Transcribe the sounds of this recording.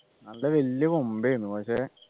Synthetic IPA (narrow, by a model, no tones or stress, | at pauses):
nɐlːeʋelːjɐkombejunːupɐkɕeː